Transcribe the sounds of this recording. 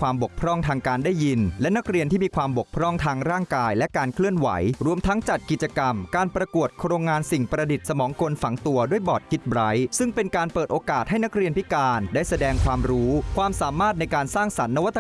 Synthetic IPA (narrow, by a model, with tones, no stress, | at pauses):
waː˧mbo˨˩k̚pʰɾɔ˥˩ŋt̪ʰaː˧ŋkaː˧ndaː˥˩jːi˧nlɛ˦˥na˦˥k̚ɾi˧ənt̪ʰiː˥˩miː˧kʰwaː˧mbo˨˩k̚pʰɾɔ˥˩ŋt̪ʰaː˧ŋɾaː˥˩ŋkaː˧jlɛ˦˥kaː˧nkʰlɯ˥˩ənwa̰˩˦jɾu˧əmt̪ʰa˦˥ŋt͡ɕa˨˩t̪̚ki˨˩t͡ɕa˧ka˧mkaː˧npɾa˧ku˨˩ət̪̚kʰɾoː˧ŋːaː˧nsi˨˩ŋpɾa˧di˨˩t̪̚sa˧mɔː˩˦ŋko˧nfa˩˦ŋt̪u˧ɐdu˥˩əjbɔː˨˩t̪̚kʰi˦˥t̪̚bɾa˦˥jsɯ˥˩ŋpe˧nkaː˧npɤː˨˩t̪ʔoː˧kaː˨˩t̪̚ɦa˥˩jna˦˥k̚ɾi˧ənpʰi˦˥kaː˧ndaː˥˩jsa˧dɛː˧ŋkʰwaː˧mɾuː˦˥kʰwaː˧msaː˩˦maː˥˩t̪̚na˧jkaː˧nsaː˥˩ŋsa˩˦nːa˧wa˦˥t̪ː